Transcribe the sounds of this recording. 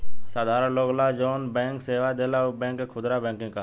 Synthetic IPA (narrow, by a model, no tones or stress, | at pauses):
saːd̪ʱaːɾãːloːɡlaːd͡ʒoːnbẽːŋkseːʋaːd̪eːlaːbẽːŋkekʰʊd̪ɾaːbẽːŋkɪ̃ŋkaː